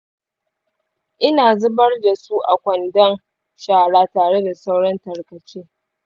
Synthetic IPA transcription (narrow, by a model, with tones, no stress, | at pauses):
ʔɪ˦naː˨zʊ˦bɐ˦rda˨su˦ʔa˨kʷɐ˨ndɐ˦n | ʃaː˨ɽaː˦taː˨ɽe˦da˨sa˦wɽɔ˦ntɐ˨rkɐ˨t͡ʃeː˦